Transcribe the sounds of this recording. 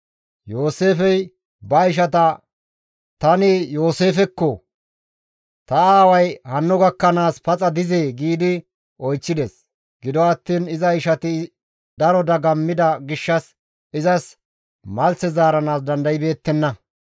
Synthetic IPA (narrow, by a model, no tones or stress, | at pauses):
jo̞ːse̞ːfɛj | bɐɪʃ̬ɐt̪̬ɐ | t̪ɐnɪjo̞ːse̞ːfɛkːɔ | t̪ɐaːwɐjhɐnːɔɡɐkːɐnaːspɐt͡sʼɐd̪ɪze̞ːɡiːd̪ɪ | ɔjt͡ʃːɪd̪ɛs | ɡ̥ɪd̪ɔɐt̪ːiːnɪzɐɪʃɐt̪ɪ | d̪ɐɾɔd̪ɐɡɐmːɪd̪ɐɡɪʃːɐs | ɪzɐs | mɐlsɛzaːɾɐnaːs̬d̪ɐnd̪ɐjɪbe̞ːt̪ːɛnːɐ